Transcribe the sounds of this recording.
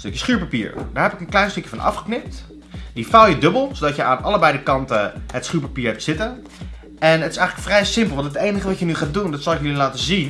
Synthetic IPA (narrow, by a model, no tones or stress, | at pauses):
stɵkjə̥sχyːɹpapḭːɹdaːɹɦɛpɪkənklɛjnstɵkjəfɑnʔɑ̰fχə̥knɪp̚t | difalˠjədɵbəlˠsowdɑtjəaːnʔɑləbɛjdəkɑntəətsχyːɹpapiːɹɦɛp̚tsɪtən | ɛnɦətɪsɛjχlə̥kfrɛjsɪmpəlˠʋɑntətejnəχəʋɑcjənyχaːt̚dundɑtsɑlˠɪkjəlilaːtəzin